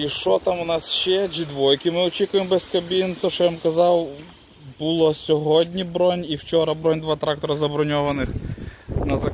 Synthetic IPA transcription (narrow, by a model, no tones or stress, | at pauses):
iʃɔt̪ɑmʊnɑsʃɛd͡ʒʲid̪ʋɔjkʲɪmɪɔt͡ʃʲikʊjembɛskɐbʲint̪ɔʃɔjamkɐzɑw | bʊlˠɔsʲɔɦɔdʲnʲibɾɔnʲiwt͡ʃɔɾɐbɾɔnʲd̪ʋɑt̪ɾɑk̚t̪ɔɾɐzɐbɾɔnʲɔʋɐnɪxnɐzɐ